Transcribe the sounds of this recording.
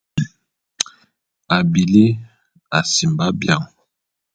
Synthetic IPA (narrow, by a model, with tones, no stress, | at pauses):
a˨bi˨le˦ | a˨si˨mba˦bja˦˨ŋ